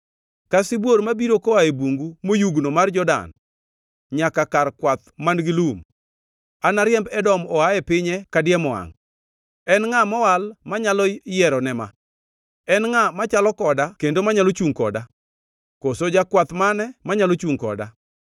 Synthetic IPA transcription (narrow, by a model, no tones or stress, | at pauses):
kasibwoɾmabiɾokoaebuŋɡumojuɡnomard͡ʒɔda̰n | ɲakakarkwat̪manɡɪlum | anaɾjɛmbɛdɔmɔaɛpɪɲɛkadjɛmɔa̰ŋ | ɛnŋamɔwalmaɲalɔjɛɾɔnɛma̰ | ɛnŋamat͡ʃalɔkɔdakendomaɲalot͡ʃuŋkɔda | kosod͡ʒakwat̪manɛmaɲalot͡ʃuŋkɔ̰da̰